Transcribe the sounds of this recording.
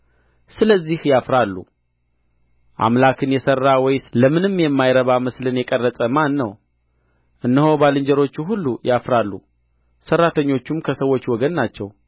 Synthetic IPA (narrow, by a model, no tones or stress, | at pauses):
sɨləzːihjafɾalːṵ | ʔa̰mlakʰɨnjɛsərːawɔjləmɨnɨmjɛmːajɾəβaməslɨnjɛkʼərːəsʼəmanːəw | ʔɨnːəho̞balɨɲd͡ʒɛɾo̞t͡ʃːuɦulːujafɾalːṵ | sərːat̪ʰəɲːo̞t͡ʃːumkʰəsəwːo̞t͡ʃːwɔɡənːat͡ʃːɛw